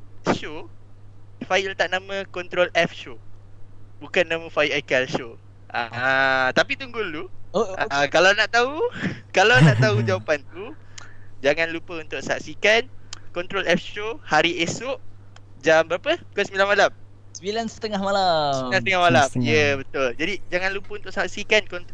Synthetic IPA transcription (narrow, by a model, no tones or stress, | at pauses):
ʃo | fajilt̪aʔnãmə̃kɔnt̪ɾolɛfʃo | bukanːãmə̃faiʔajkalʃo | ʔat̪apit̪uŋɡulu | akalawnaʔt̪aukalawnaʔt̪aɦud͡ʒawapant̪u | d͡ʒaŋãnlupəunt̪ʊʔsaaʔ̪sikankɔnt̪ɾolɛfʃohaɾiesʊʔ | d͡ʒambəɾapəkosəmilanmalam | sbilansə̥t̪əŋahmalasilansət̪əŋahmalamjəbət̪ʊld͡ʒadid͡ʒaŋãnlupəunt̪ʊʔsaɦaʔ̪sikankɔnt̪